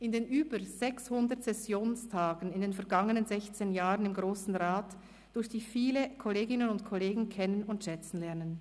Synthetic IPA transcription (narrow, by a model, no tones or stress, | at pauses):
ʔɪndeːnʔyːbəz̥ɛkshʊndətsɛsjoːnstʰaːɡn̩ɪndeːnfɛɐɡaŋənənzɛçt͡seːnjaːʁənɪmɡʁoːsn̩ʁaːt | d̥ʊɐçd̥iːfiːləkʰɔleːɡɪnənʊntkʰɔleːɡŋ̩kʰɛnənʊntʃɛt͡sn̩lɛɐnən